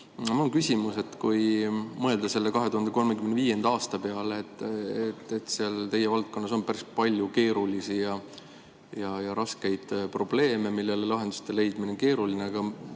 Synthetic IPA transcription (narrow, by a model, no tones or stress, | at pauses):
mɑonkysʲimuse̞t̪ːkujmɤe̞ld̪ɑse̞lːe̞kɑɦe̞t̪uhɑnd̪eko̞lme̞kymenviːje̞nd̪̥ɑɑːst̪ɑpe̞ɑleːt̪ːˑet̪ːet̪seɑlt̪e̞jevɑlt̪̚ko̞nːɑs̬o̞npæɾispɑlʲjuke̞ːɾulisijɑ | jɑjɑɾɑske̞jd̪̥pro̞b̥le̞ːme̞milːe̞lelɑɦe̞nd̪̥ust̪e̞le̞jd̪̥mineonke̞ːɾulineɑɡ̥ɑ